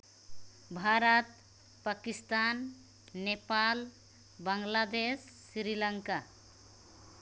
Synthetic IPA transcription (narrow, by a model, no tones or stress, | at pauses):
bʱaɾət̪̚ | pakist̪anː | epal | bəŋɡlad̪esːɾiləŋka